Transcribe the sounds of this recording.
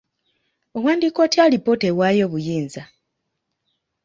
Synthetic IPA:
o̞waːndiːkoːtjalipːotewajo̞ːβujiːnza

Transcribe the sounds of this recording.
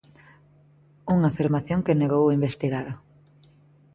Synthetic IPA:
uŋafiɾmaθjoŋkeneɣowimbest̪iɣaðo

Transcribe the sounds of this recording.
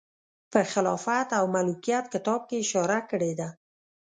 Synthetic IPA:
pəxɪlɑfat̪awmalukijat̪̚kɪt̪ɑb̚keɪʃɑɾakəɽed̪a

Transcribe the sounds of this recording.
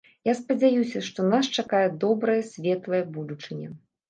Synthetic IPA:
jaspɐd͡zʲajusʲɐʂt̪ɔnast͡ʂakajɛd̪ɔbɾɐjɐsʲvʲɛt̪lˠɐjɐbud̪ut͡ʂɨnʲɛ̰

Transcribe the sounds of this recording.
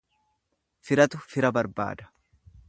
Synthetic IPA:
fɪɾɐt̪ʊfɪɾɐbɐɾba̰ːd̪ɐ̥

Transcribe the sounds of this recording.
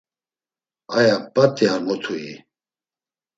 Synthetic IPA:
ajapʼat̪ʼiaŋɔt̪ʰuḭ

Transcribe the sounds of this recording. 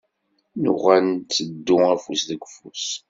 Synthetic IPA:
nʊʁænt͡sːəd̪ːʊæfusðəɡʷfus

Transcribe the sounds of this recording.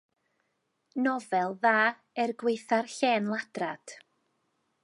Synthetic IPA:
nɔvɛlˠðaː | ɛrɡwejθarɬɛːnlˠad̥rad̥

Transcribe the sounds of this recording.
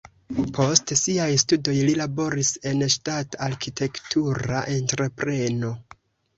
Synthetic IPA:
pʰo̞stsiajstudo̞jlilabo̞ɾise̞nʃtataɾkitʰe̞ktʰuɾa̰ʔe̞ntɾe̞pɾe̞no̞

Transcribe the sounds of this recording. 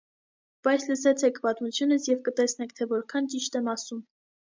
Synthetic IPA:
b̥ɑjt͡sʰləsɛt͡sʰɛkʰpɑt̪mut͡sʰjunəsjɛvkət̪ɛsnɛkʰt̪ʰɛvɔɾkʰɑnt͡ʃiʃt̪ɛmɑsum

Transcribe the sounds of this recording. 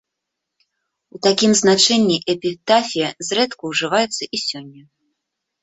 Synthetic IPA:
ut̪akʲimznat͡ʂɛnʲːiʔɛpʲit̪afʲijɐzrɛt̪kuwʐɨvajɛt̪sːɐʔisʲɔnʲːɐ

